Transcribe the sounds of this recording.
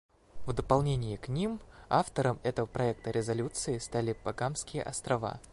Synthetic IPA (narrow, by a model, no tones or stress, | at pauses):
vd̪əpɐlˠnʲenʲɪjɪknʲimaft̪əɾəmɛt̪əvəpɾɐɛk̚t̪əɾʲɪzɐlʲut̪sɨɪst̪alʲɪpɐɡamskʲɪjə̰ʔɐst̪ɾɐva̰